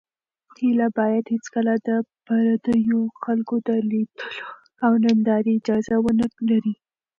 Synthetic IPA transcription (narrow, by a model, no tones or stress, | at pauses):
hilabɑjad̪het͡skəlad̪əpaɾad̪əjoxalkod̪əlid̪̥əlo | awnand̪ɑɾiɪd͡ʒɑzawənəklaɾi